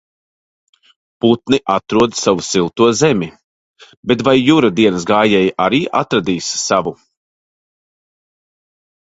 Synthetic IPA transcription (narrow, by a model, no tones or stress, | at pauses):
put̪niʔat̪ɾuɔd̪savusilˠt̪uɔzɛmʲi | bɛt̪vajːuɾad̪iɛnəs̬ɡaːjɛjʔaɾiːʔat̪ɾad̪iːssavu